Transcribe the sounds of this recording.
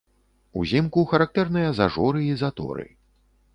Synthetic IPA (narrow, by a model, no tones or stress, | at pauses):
uzʲimkuxɐɾak̚t̪ɛrnɨjɐzaʐɔɾɨizat̪ɔ̰ɾɨ̰